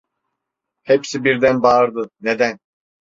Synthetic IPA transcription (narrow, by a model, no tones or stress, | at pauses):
hepsibiɾd̪ænbaɾd̪ɯned̪æn